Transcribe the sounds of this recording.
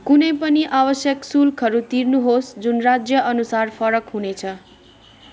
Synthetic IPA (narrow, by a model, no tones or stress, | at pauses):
kunʌjpʌniʔabʌsjʌksulkʌɾut̪irnuɦosd͡zunrad͡zjʌʔʌnusarpʰʌɾʌkɦunet͡sʰʌ